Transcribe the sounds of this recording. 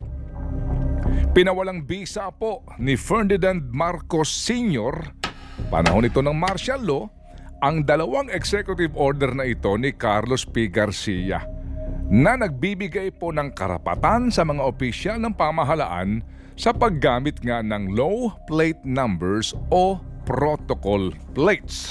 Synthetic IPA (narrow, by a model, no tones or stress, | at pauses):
pɪnɐwɐlaŋbiːsapo̞ | nɪfɛɹd̪ɪnand̪̚maɾkosːiɲoɾ | pɐ̰nɐ̰ɦo̞nɪt̪o̞nɐŋmaɾʃalo̞ | ʔɐŋd̪ɐlɐwaŋɛksɛkjʊt̪ɪbʔoɾd̪ɛɾnɐʔɪt̪o̞nɪkaɾlospiɡɐɾsija̰ | nɐnɐɡ̚bibɪɡajpo̞nɐŋkɐ̰ɾɐ̰pɐ̰t̪ansɐmɐŋaʔopɪʃjalnɐŋpɐmɐɦɐla̰ʔa̰n | sɐpɐɡːaːmɪt̪̚ŋanɐŋlowplejt̪̚nambɛɹsʔo̞pɾot̪okolplejt̪s